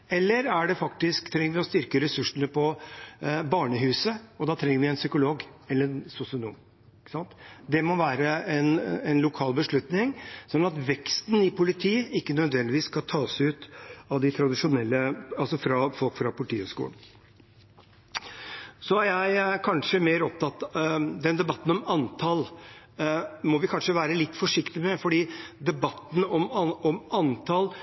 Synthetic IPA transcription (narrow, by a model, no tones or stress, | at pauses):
ɛlːəɾæɖɛfɑkt̪ɪsk̚t̪ʰɾɛŋːəɾʋɪɔst̪ʏɾkəɾɛsʉʂənəpʰɔ | bɑːɳəɦʉːsəɔd̪ɑːt̪ʰɾɛŋːəɾʋɪɛnsʏkʊloːɡɛlːəɾnsʊsɪʊnṵːm | ɪkːə̥sɑnt̪d̪ɛmɔʋæːɾəɛnɛnlʊkʰɑːlbəʂɭʉt̪nɪŋsɔnːɑt̪ʋɛkst̪n̩ɪpʰʊlɪt̪ʰiːɪkːənœd̪ʋɛnd̪ɪʋiːskʰɑt̪ʰɑːsʉːt̪ɑʋd̪ɪt̪ʰɾɑd̪ɪʂʊnɛlːəɑlsɔfɾɑfɔlkfɾɑpʰʊlɪʈ̪ʰiːhʉ̰ʂkṵːlɳ̩ | sɔæɾjæɪkʰɑnʂəmeːɾɔp̚t̪ʰɑt̪d̪ɛnd̪ɛbɑt̪ːn̩ɔmɑnt̪ʰɑl | mɔʋɪkʰɑnʂəʋæːɾəlɪt̪ːfɔʂɪkt̪ɪmɛfɔɖiːd̪ɛbɑt̪ːn̩ɔmɔmɑnt̪ʰɑl